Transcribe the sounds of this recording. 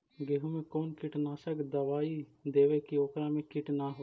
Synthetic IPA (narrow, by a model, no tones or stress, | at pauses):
ɡeɦumẽkoːnkɪʈnaːsəkd̪əʋaːid̪eːʋekioːkɾãmẽkɪʈnaɦo